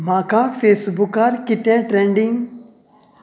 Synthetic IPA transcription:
mãːkãfeːsbʊkaɾkɪt̪ɛ̃ʈɾẽɳɖĩŋ

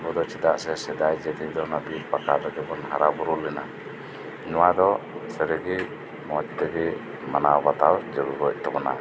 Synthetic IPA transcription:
bɔd̪ɔt͡ʃɛd̪aʔsɛsɛd̪ajd͡ʒɛt̪id̪ɔnabilpakad̪ɔɡɛbɔnɦaɾabuɾulːɛna̰ | ɲɔwad̪ɔsəɾɛɡi | mɔt͡ʃd̪ɛɡɛ | manawbat̪awd͡ʒɔɾuɾɔc̚ˀt̪ɔbɔna̰

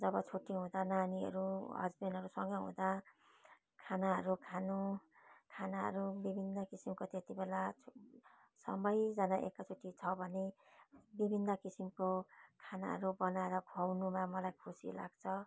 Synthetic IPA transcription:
d͡zʌbʌt͡sʰoʈiɦũd̪ananiʌ̰ɾuɦʌ̰d͡zbenʌɾusʌŋɡʌɦṵ̃d̪a | kʰanaɦʌɾukʰanukʰanaɦʌ̰ɾubibʱinːʌkisimkot̪et̪ibela | sʌ̰mʌjd͡zanaʔekːat͡sʰoʈit͡sʰʌbʱʌne | bibʱinːʌkisimkokʰana̰ɦʌ̰ɾubʌnaeɾʌɡʱʌwnumamʌlajkʰusḭla̰ɡ̥t͡sʰʌ

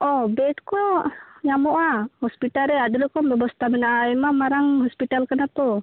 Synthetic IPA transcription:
ʔɔbɛt̪̚kɔɲamɔʔahɔspit̪aɾɛadulɛkɔmbɛbɔst̪aminaaimamaɾaŋɦɔspit̪alkanat̪ɔ

